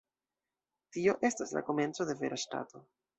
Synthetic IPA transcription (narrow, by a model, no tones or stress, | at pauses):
tio̞ʔe̞stasla̰ko̞me̞nt͡so̞de̞ve̞̰ɾʔaʃta̰to̞